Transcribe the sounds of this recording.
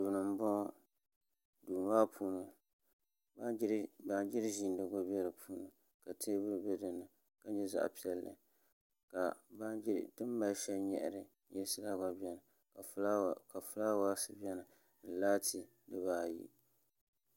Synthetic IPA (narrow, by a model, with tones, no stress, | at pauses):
du˨nɨ˨m˦bɔ˦ | duː˨n˨˦waː˦pʰuː˦nɨ˨ | ba˦ba˨nd͡ʒɪ˦ɾʒi˨ndɨ˦ɡo˦bi˦ɛ˦ɾɨ˨pʰuː˦nɨ˨ | ka˨tʰeː˦bɨ˦˨bɛ˦dɨ˨nːɨ˨ | ka˦ɲɛ˦za̰˦ʔpi˦ɛ˨lːɨ̰˨ | ka˨ba˦tɨ˦m˦ba˦ʃɛ˦lɲɛ̰˨ʔɾɨ˦ | jɪ˦lsɨ˦la˦ɡa˨bi˦ɛ˨nɨ˨ | a˨˦˨ka˨fʊ˦la˦wa˦sɨ˦bi˦ɛ˦nɨ˨ | nɨ˨laː˦tʰi˦ | dɨ˦βaː˨jḭ˦